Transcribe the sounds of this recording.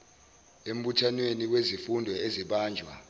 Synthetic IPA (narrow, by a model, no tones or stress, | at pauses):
em̩ɓutʰanweniwezifundʱɔeziɓaːnd͡ʒʱwa̰